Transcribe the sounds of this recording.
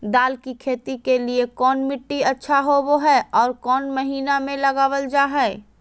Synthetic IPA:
d̪aːlkikʰeːt̪ikeliekɔːnmɪʈːiɐtːʃʰaɦoʋoɦɛːɔːɾkɔːnmɐɦiːnamẽlɐɡaːwəld͡ʒaːɦɛː

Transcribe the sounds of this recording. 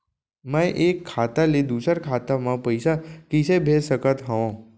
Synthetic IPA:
mãẽʔekʰːat̪aled̪usəɾkʰat̪amãpəjsakisebʱesəkət̪ɦəʋõ

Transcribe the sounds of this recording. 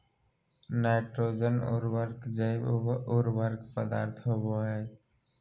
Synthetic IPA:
naɪʈɾoːd͡ʒənʊ̰ɾwəɾkd͡ʒəɪʊɾwəɾkpəd̪aːɾt̪ʰɦoboɦɛː

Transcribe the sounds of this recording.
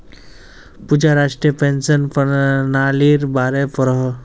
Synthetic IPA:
pud͡ʒaɾaːʂʈɾiəpẽːnsənpənaːliːɾbaːɾepɾɦ

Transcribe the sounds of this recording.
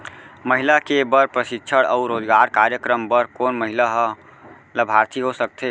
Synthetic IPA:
məɦɪlakebəɾpɾəʃɪkʃʰəɽɔʊɾoːd͡ʒɡaːɾkaːɾjəkɾəmbəɾkoːnməɦɪlaɦə | ləbʱaːɾt̪ʰiɦosək̚t̪ʰeː

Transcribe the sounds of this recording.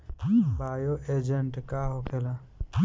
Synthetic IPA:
baːjoʔeːd͡ʒəɳʈkaɦokʰela

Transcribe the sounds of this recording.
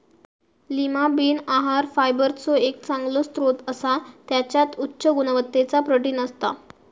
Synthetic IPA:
limabiːnaɦaɾfajbəɾt͡sɔek̚t͡sãŋɡlost̪ɾot̪əsat̪jat͡ɕjat̪utːɕəɡunəʋət̪ːet͡sapɾəʈiːnəst̪a̰

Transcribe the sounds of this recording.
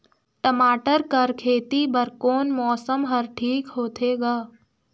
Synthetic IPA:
ʈ̪əmaːʈəɾkəɾkʰeːt̪ibəɾkoːnmɔːsəmɦəɾʈʰiːkɦoːt̪ʰeɡaː

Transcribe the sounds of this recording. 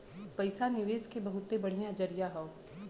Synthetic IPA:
pɐɪsanɪʋeːskebɐɦʊt̪ːebɐɽ̤ijãd͡ʒəɾɪjaɦoː

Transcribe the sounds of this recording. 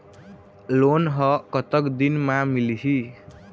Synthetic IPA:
lonɦʌkʌt̪ʌkd̪inmamiliɦi

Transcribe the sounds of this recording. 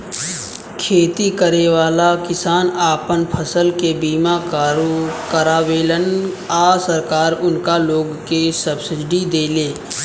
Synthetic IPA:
kʰeːt̪ikəɾeʋaːlakɪsaːnaːpənpʰəsəlkebiːmak | kəɾaːʋeːlən | aːsəɾkaːɾʊnkaloːɡkesəbsɪɖid̪eːleː

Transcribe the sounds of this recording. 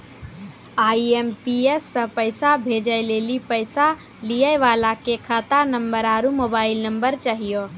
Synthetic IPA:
aiempiesːə̃pəjsabʱed͡ʒəlelipəjsa | lijəjʋalakekʰat̪anəmbəɾaɾumobailnəmbəɾt͡ʃaɦijo

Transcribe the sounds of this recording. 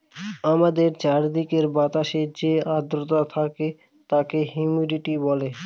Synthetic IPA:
amad̪eɾt͡ɕaɾd̪ikeɾbat̪aʃeɾd͡ʑead̪ɾot̪at̪ʰake | t̪akeɦumiliʈibɔle

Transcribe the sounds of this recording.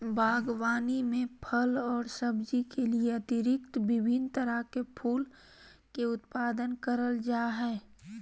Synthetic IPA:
bʱaːɡwaːnimẽpʰəlɔːɾsəbd͡ʒikʰelieɐt̪ɪɾɪkt̪bɪbʱɪnd̪t̪əɾəkepʰuːl | keʊt̪paːd̪ənkəɾəld͡ʒaːɦɛː

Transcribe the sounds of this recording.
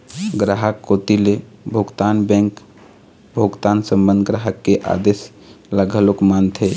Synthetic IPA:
ɡɾaɦəkːot̪ilebʱoɡt̪aːnbɛ̃ŋk | bʱoɡt̪aːnsə̃mbənd̪ʱɡɾaɦəkːeʔa̰d̪eːs | ləɡʱəlokmant̪ʰe

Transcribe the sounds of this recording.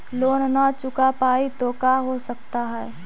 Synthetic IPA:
loːnnat͡ʃʊkapaːit̪oːkaɦosək̚t̪aɦɛː

